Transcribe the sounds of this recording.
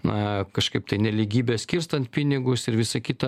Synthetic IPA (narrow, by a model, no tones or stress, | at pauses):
ɐkɐʃkɐɪp̚t̪ɐɪnʲɛlʲiːɡʲiːbʲɛːsʲkʲɪrst̪ɐnt̪̚pʲinʲɪɡʊsɪɾʋʲɪsɐkʲɪt̪ɐ